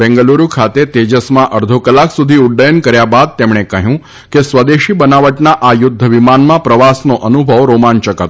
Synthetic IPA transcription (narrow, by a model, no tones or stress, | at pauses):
bɛ̃ŋɡəluɾukʰat̪et̪ed͡ʒəsmãʔəɾd̪ʱokəlːaksud̪ʱiʊɖːəjənkəɾjabad̪̚t̪emɳekəɦjũ | kesʋəd̪eʃibənaʋəʈnaʔajʊd̪ʱːəʋimanmãpɾəʋasnoʔənubʱəʋɾomant͡ʃəkət̪